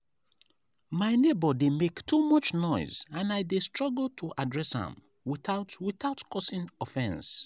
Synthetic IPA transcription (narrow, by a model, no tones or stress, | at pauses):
maɪnebədemektʰumʌt͡ʃnɔɪzãnaɪdestɹ̥ɔɡl̩ˠtʰuʔadɹɛshə̰̃m | wiθaʊtwiθaʊtkʰɔsĩŋɔfɛ̃ns